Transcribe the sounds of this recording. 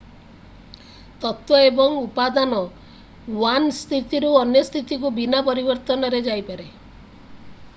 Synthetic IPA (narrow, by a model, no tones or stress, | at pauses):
t̪ɔt̪wɔebɔŋupad̪anɔ | wanst̪ʰit̪iɾuɔnjɔst̪ʰit̪ik̬ubinapɔɾibɔɾt̪ɔnɔɾed͡ʒajpaɾe